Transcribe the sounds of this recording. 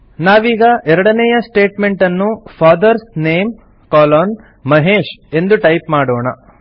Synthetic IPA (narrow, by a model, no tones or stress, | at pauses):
naːʋiːɡɐʔɛɾɐɽɐnɛjɐsʈeːʈme̞ɳʈɐnːupʰaːd̪ɐɾsneːm | kaːlaːn | mɐɦeːʃe̞nd̪uʈɐjpmaːɽoːɳɐ̰